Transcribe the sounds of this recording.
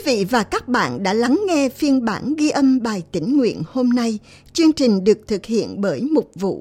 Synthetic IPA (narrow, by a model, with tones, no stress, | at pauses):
vḭ˧˨vaː˨˩kaː˦˥k̚ɓa̰ː˧˨nɗa̰ː˧˥la˨˦ŋŋɛ˧fi˧ənɓa̰ː˧˩nɣi˧ʔə˧mɓaː˨˩jt̪ï˧˩ŋ̟ŋwḭ˧˨ənho˧mna˧j | t͡ɕɨ˧əŋt͡ɕï˨˩ŋ̟ɗɨ˨˩ək̚t̪ʰɨ˨˩k̚hḭ˧˨ənɓəː˨˦jmʊ˨˩k͡p̚vṵ˧˨